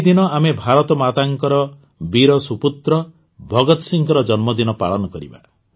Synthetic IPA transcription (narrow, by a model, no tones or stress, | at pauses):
d̪inɔamebʱaɾɔt̪ɔmat̪aŋkɔɾɔ | biɾɔsuput̪ɾɔ | bʱɔɡɔt̪ɔsiŋkɔɾɔd͡ʒɔnmɔd̪inɔpa̰ɭɔnɔkɔɾḭba̰